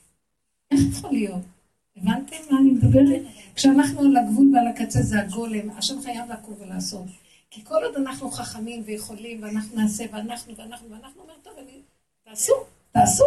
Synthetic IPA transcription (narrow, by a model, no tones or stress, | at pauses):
eχjaχolijo̞t̪ | evant̪emmaːnimed̪ubeʁ | kʃeanaχnulaɡvulvealakat͡sezeaɡo̞le̞ma̰ʃemχajavlakovelaːso̞t | kiko̞lo̞d̪anaχnuχaχamimveje̞χo̞limveanaχnunaːse̞veanaχnuveanaχnuveanaχnuome̞ʁt̪ovani | taːsu | taːsu